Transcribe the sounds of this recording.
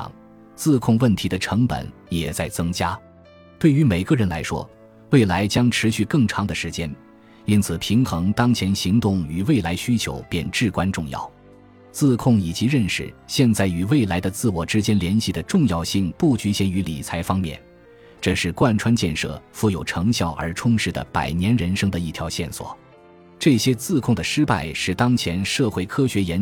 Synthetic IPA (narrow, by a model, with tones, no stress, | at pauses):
ŋ | t͡sɹ̩˥˧kʰʊ˥˧ŋwə˥˩nt̪ʰi˧˥d̪ə˧ʈ͡ʂʰɤ˧˥ŋpə̰˨˩˦n | jɛ˨˩t͡sa˥˩ɪt͡sɤ˥ŋt͡ɕja˥ | t̪we˥˩y˧˥me˨˩ɪɡə˧ɻə˧˥nla̰˧˥ɪʂwɔ̰˥ | we˥˩ɪla˧˥ɪt͡ɕjɑ˥ŋʈ͡ʂʰɻ̩˧˥ɕy˥˧kɤ˥˩ŋʈ͡ʂʰɑ˧˥ŋd̪ə˨ʂɻ̩˧˥t͡ɕjɛ˥n | i˥nt͡sʰɹ̩˨˩pʰi˧˥ŋxɤ˧˥ŋt̪ɑ˥ŋt͡ɕʰjɛ˧˥nɕi˧˥ŋt̪ʊ˥˩ŋy˨˩we˥˩ɪla˧˥ɪɕy˥t͡ɕʰjo̰˧˥ʊpjɛ˥˧nʈ͡ʂɻ̩˥˩kwa˥nʈ͡ʂʊ˥˧ŋjɑ̰˥˩ʊ | t͡sɹ̩˥˧kʰʊ˥˩ŋi˨˩t͡ɕi˧˥ɻə˥˧nʂɻ̩̰˨˩ɕjɛ˥˧nt͡sa˥˩ɪy˨˩we˥˩ɪla˧˥ɪd̪ə˧t͡sɹ̩˥˩wɔ˨˩ʈ͡ʂɻ̩˥t͡ɕjɛ˥nljɛ˧˥nɕi˥˩d̪ə˨ʈ͡ʂʊ˥˧ŋjɑ˥˧ʊɕi˥˩ŋpu˥˩t͡ɕy˧˥ɕjɛ˧˥ny˧˥lḭ˨˩t͡sʰa˧˥ɪfɑ˥ŋmjɛ̰˥˩n | ʈ͡ʂɤ˥˧ʂɻ̩˥˩kwa˥˩nʈ͡ʂʰwa˥nt͡ɕjɛ˥˧nʂɤ̰˥˧˩fu˥˩jo˨˩ʊʈ͡ʂʰɤ˧˥ŋɕjɑ˥˩ʊʔə̰˞˧˥ʈ͡ʂʰʊ˥ŋʂɻ̩˥˩d̪ə̰˩pa̰˨˩ɪnjɛ˧˥nɻə˧˥nʂɤ˥ŋd̪ə˨i˥˩t̪ʰjɑ˧˥ʊɕjɛ˥˩nswɔ̰˨˩˦ | ʈ͡ʂɤ˥˩ɕjɛ˥t͡sɹ̩˥˧kʰʊ˥˩ŋd̪ə˩ʂɻ̩˥pa̰˥˧ɪʂɻ̩˥˩t̪ɑ˥ŋt͡ɕʰjɛ˧˥nʂɤ˥˧xwe˥˩ɪkʰɤ˥ɕɥɛ˧˥jɛ˧˥n